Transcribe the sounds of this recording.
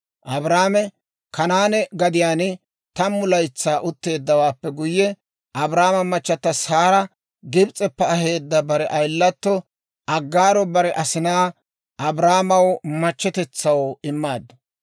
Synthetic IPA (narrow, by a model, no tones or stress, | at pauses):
ʔɐbɾaːmɛ | kɐnaːnɛɡɐd̪ɪjaːnɪ | t̪ɐmːʊlɐjt͡sːaːʔʊt̪ːe̞ːd̪ːɐwaːpːɛɡʊjːɛ | ʔɐbɾaːmɐmɐt͡ʃːɐt̪ːɐsaːɾɐ | ɡɪbt͡sʼɛpːɛɐhe̞ːd̪ːɐbɐɾɛʔɐjlːɐt̪ːɔ | ʔɐɡːaːɾɔbɐɾɛʔɐsɪnaː | ʔɐbɾaːmɐwmɐt͡ʃːɛt̪ɛt͡sːɐwɪmːaːd̪ːɐ